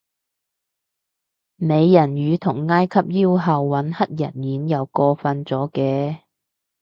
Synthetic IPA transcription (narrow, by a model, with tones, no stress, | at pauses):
me˨˧jːɐ˨˩njyː˨˧t̪ʰʊ˨˩ŋːaː˥jkʰɐ˥p̚jiː˥wɦɐ˨wːɐ˨˥nhɐ˥t̚jɐ˨˩njyː˨˥njɐ˨˧wkɔː˧fɐ˧nt͡sɔː˨˥kɛː˧